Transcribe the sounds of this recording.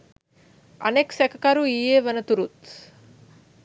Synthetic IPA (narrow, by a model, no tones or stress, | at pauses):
ɐ̰neksækɐkɐɾuijeːʋənət̪uɾut̪